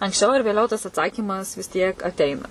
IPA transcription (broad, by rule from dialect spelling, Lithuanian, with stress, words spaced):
ɐŋksʲˈt͡ʃʲɛʊ ɐr ʋʲeːˈlʲɛʊ tɐs ɐtˈsɑːkʲiːmɐs ʋʲɪs ˈtʲiɛk ɐtʲˈɛɪnɐ